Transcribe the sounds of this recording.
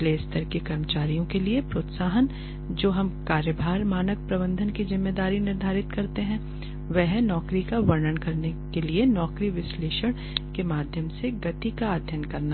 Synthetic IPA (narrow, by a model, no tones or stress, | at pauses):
leːɪst̪ʰɐɾkekɐɾmət͡ʃaːɾijõkeliepɾoːt̪saːɦən | d͡ʒoːɦɐmkaːɾjəbʱaːɾmaːnək̚pɾɐbə̃nd̪ʱənkizɪmːeːd̪aːɾinɪɾd̪ʱaːɾɪt̪kɐɾt̪eɦɛ̃ | ʋɛɦnɔːkɾikaʋɐɾnəɳkɐɾnekelienɔːkɾiʋɪsleːʃəɽ̃ | kemaːd̪ʱjəmseɡɐt̪ikaaːd̪ʱjənkɐɾna